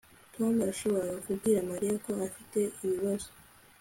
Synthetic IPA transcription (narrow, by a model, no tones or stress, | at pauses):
tomɾaʃo̞βo̞ɾaukubɡiːɾamaɾijako̞afite̞ʔiβiβazo